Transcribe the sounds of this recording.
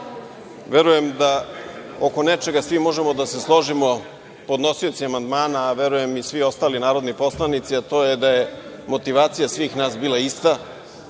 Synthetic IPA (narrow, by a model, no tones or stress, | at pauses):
ʋeɾuje̞md̪a | oko̞net͡ʃeɡasʋimo̞ʒe̞mo̞d̪ase̞slˠo̞ʒimo̞ | po̞d̪no̞siot̪siamand̪maːnaːʋeɾuje̞misʋio̞st̪aːlinaːɾo̞d̪nipo̞slˠanit̪siat̪o̞ːjed̪aje | mo̞t̪iʋaːt̪sijasʋiːxnaːsbiːlˠaist̪a